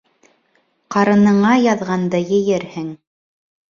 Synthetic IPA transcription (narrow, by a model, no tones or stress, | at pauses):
qɑɾɤ̆nɤ̆ɴɑjɑðʁɑnd̪ɤjɘ̆jɘɾhɘŋ